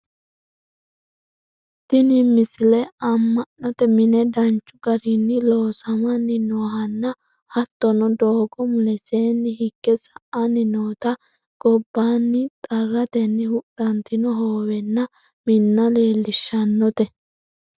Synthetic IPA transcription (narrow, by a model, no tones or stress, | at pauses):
t̪ɪnɪmɪsɪlɛɐmːɐnːɔt̪ɛmɪnɛd̪ɐnt͡ʃːʊɡɐɾinːɪlo̞ːsɐmɐnːɪnoːɦɐnːɐ | hɐt̪ːɔnɔd̪oːɡɔmʊlɛse̞ːnːɪhɪɡːɛsɐʔɐnːɪnoːt̪ɐ | ɡ̥ɔbːaːnːɪt̪ʼɐrːɐt̪ɛnːɪhʊɗɐnt̪ɪnɔɦoːwɛnːɐ | mɪnːɐle̞ːlːɪʃːɐnːɔt̪ɛ